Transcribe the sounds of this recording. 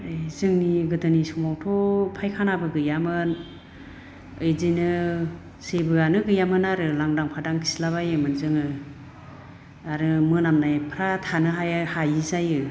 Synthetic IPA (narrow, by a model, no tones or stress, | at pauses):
ɯjzɯŋniɡɯtʰɯnisumawtʰɔpʰajkʰanabɯɡɯjamɯn | ɯjzinɯ | sebɯanɯɡɯjamɯnaɾɯlaŋdaŋpʰadaŋkʰi̥slaβajɯmɯnzɯŋɯ | aɾɯmɯnamnajpʰɾatʰanɯɦajhajizajɯ